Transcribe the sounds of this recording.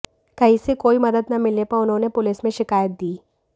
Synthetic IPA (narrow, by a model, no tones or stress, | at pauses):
kɐɦisekoːimɐd̪əd̪nɐmɪlnepɐɾʊnɦõnepʊlɪsmẽʃɪkaːjət̪̚d̪iː